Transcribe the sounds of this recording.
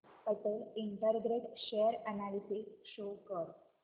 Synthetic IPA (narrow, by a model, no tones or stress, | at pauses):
pəʈəliɳʈəɾɡɾeʈɕejəɾənalisikɕokəɾ